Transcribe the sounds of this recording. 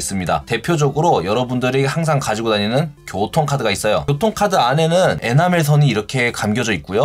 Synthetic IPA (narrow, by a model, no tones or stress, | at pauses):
s͈ɯmɲida̰te̞pʰjod͡ʑʌɡɯɾojʌɾʌbundɯɾihaŋs̬ʰaŋkad͡ʑiɡonaɲinɯnkjotʰoŋkʰadɯɡais͈ʌjo̰otʰoŋkʰadɯane̞nɯne̞̰names̬ʰʌɲiːɾʌkʰe̞kamɡjʌd͡ʑʌik̚k͈ujo